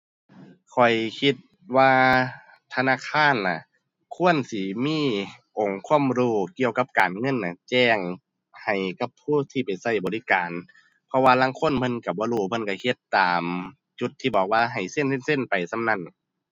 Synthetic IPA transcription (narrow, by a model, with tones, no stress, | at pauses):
kʰɔ˨˩jkʰi˧t̪̚ | waː˧ | t̪ʰa˧naː˧˥˨kʰaː˧˥˨nːa˧˩ | kʰu˧˥˨ə˨nsi˧˦miː˧˥˨ | ʔo˨˩ŋkʰu˧˥ə˨mɾuː˧˩ki˧˨əwka˧˦p̚kaː˨nŋɤ˧˥˨nːa˧˩t͡ɕɛː˧˩ŋ | ha˨˩jka˧pʰːuː˧˥˨t̪ʰiː˧˩pa˨jsa˧˩˨jbɔː˨li˧˨kaː˨n | pʰɔ˧waː˧laː˧˥˨ŋkʰo˧˥˨nmʰɤ˧˥˨nka˧˩bɔː˧˦ɾuː˧˩pʰɤ˧˥˨nka˧˩kʰe˧˦t̪ːaː˨m | t͡ɕu˧˦t̪ʰːiː˧˩bɔː˨˩k̚waː˧ɦa˨˩jse˧˥˨nsʰe˧˥˨nse˧˥˨npa˨˩jsa˧˨mna˧˥˨n